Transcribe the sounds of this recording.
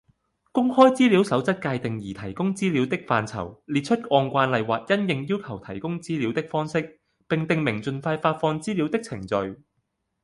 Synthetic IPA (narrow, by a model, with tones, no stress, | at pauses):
kʊ˥ŋhɔː˥jt͡siː˥li˨˥wsɐ˨˥wt͡sɐ˥t̚kaː˧jt̪ɪ˨ŋjiː˨˩t̪ʰɐ˨˩jkʊ˥ŋt͡siː˥li˨˥wt̪ɪ˥k̚faː˨˧nt͡sʰɐ̰˨˩wliː˨˩t̚t͡ʃʰɵ˥t̚ɔː˧nkʷaː˧nlɐ˨˧jwaː˨˩k̚jɐ˥njɪ˨ŋjiː˥wkʰɐ˨˩wt̪ʰɐ˨˩jkʊ˥ŋt͡siː˥liː˨˥wt̪ɪ˥k̚fɔː˥ŋsɪ˥k̚ | pɪ˨ŋt̪ɪ˨˧ŋmɪ˨˩ŋt͡ʃɵ˨nfaː˧jfaː˧t̚fɔː˧ŋt͡siː˥liː˨˥wt̪ɪ˥k̚t͡sʰɪ˨˩ŋt͡sɵ˨ɥ